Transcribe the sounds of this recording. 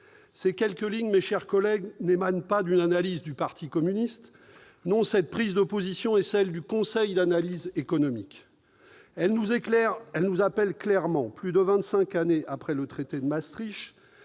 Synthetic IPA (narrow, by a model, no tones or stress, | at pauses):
sekʲɛlkəliɲmeʃɛʁkɔlɛɡnemanpad̪ynanalizd̪ypaʁt̪ʰikɔmynist̪ | nɔ̃sɛt̪̚pχizd̪əpozisjɔ̃ɛsɛld̪ykɔ̃sɛjd̪analizekɔnɔmik | ɛlnuzeɛʁɛlnuzapɛlklɛʁmɑ̃plyd̪əvɛ̃t̪sɛ̃kaneʔapχɛlət̪χet̪ed̪əmast̪χiʃ